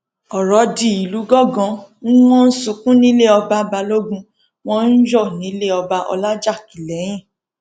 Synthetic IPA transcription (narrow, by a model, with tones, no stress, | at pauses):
ɔ˨ɾɔ˨˦di˧˨i˨lu˨˦ɡɔ˦˨ɡɔ̃˨˦n̩˦w̃ɔ̃˦n̩˦sũ˧kũ˦nĩ˨˦le˦ɔ˧ba˧ba˧lo˦ɡũ˧ | w̃ɔ̃˦n̩˦d͡ʒɔ˦˨nĩ˨˦le˦ɔ˧ba˧ʔɔ̰˧la˦d͡ʒa˦˨ki˨lɛ˨˦j̃ĩ˦˨